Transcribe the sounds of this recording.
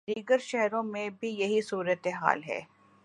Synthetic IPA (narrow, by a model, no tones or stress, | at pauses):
d̪iːɡəɾʃɛɦɾõmẽbʱijɐɦisuːɾət̪eɦa̰ːlɦɛ̰ː